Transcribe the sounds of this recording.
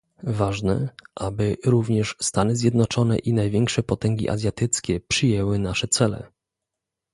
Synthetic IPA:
vaʐnɛʔabɘɾuvɲɛʂst̪anɘzʲjɛd̪nɔt͡ʂɔnɛ̰ʔinajvʲjɛŋkʂɛpɔt̪ɛŋɡʲḭʔa̰zʲjat̪ɘt̪skʲɛpʂɘjɛwɘnaʂɛt̪sɛlɛ̰

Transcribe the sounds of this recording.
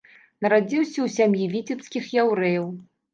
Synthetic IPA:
nɐɾad͡zʲiwsʲɐwsʲamjivʲit͡sʲipskʲixjawɾɛjɐw

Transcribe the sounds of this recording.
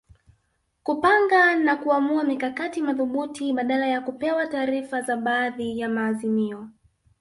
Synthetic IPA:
kupaŋɡanakuamuamikakatimaðuɓutʰiɓaɗalajakupɛwataːɾifazaɓaːðijamaːzimiɔ

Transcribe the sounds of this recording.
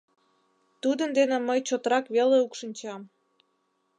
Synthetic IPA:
t̪ud̪ənd̪eneməjt͡ɕot̪əɾɑkβeleukʃənʲt͡ɕɑm

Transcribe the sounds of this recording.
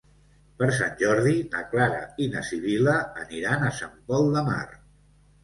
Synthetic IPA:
pəɾs̬anʲʒɔɾðidəklaɾə̰inəsiβiləːniɾanəsampɔlˠd̪əma̰r

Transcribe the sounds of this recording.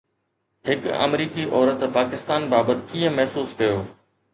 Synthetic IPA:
ɦhɪkɐ̰mɾiːkiʔɔːɾət̪paːkɪst̪aːnbaːbət̪kiːə̃mɐɦsuːskɐjoː

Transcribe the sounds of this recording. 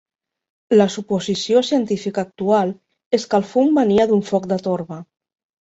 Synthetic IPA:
ləsupuzisiosiənt̪ifikak̚t̪ualˠ | eskalˠfumːəniaðuɱfɔk̚d̪ət̪oɾβə

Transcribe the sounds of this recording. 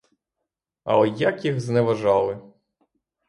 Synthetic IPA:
ɐ̰ɔjakjixznɛʋɐʒɑlˠɪ

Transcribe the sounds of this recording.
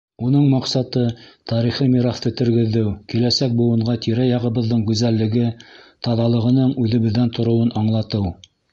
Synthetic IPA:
unɤɴmɑqsɑt̪ɤt̪ɑɾiχimiɾɑχt̪ɤt̪ɵ̆ɾɡɘ̆ðːɘwkilæsæk̚bŭw̪ˠɤ̆ɴɢɑt̪ʰiɾæjɑʁɤ̆βɤ̆ðːɤɴɡʉzælːɘ̆ɡɘt̪ɑðɑlˠɤ̆ʁɤ̆nɤɴʉðɘ̆βɘ̆ðːænt̪ŏɾŏwɤnʔɑɴlˠɑt̪ɤw

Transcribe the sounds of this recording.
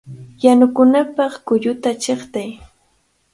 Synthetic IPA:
janʊkʊnapɑχkʊʎʊt̪at͡ʃeχt̪aj

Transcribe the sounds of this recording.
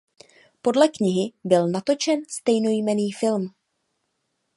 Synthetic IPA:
po̞dlɛkɲɪɦɪbɪlnat̪o̞t͡ʃɛnst̪ɛjno̞jmɛniːfɪlm

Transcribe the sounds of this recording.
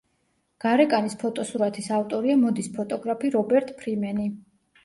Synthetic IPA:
ɡ̥aɾɛkʼanispʰɔt̪ʼɔsuɾat̪ʰisaft̪ʼɔɾiamɔd̪ispʰɔt̪ʼɔɡɾapʰiɾɔbɛɾt̪ʼpʰɾimɛni

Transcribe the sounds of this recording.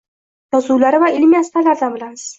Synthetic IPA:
jɒzuwlaɾɪvaɪlmijast̪alaɾd̪anbɪlams

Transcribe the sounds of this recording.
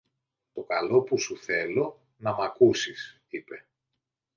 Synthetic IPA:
t̪o̞kɐlo̞pusuθe̞lo̞ | nɐmɐkusis | ipe̞

